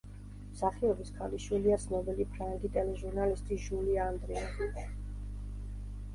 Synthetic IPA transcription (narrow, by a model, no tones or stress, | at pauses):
msaχiɔbiskʰaliʃwiliasnɔbɛlipʰɾand̪it̪ʼɛlɛʒuɾnalist̪ʼiʒuliaːnd̪ɾɛazi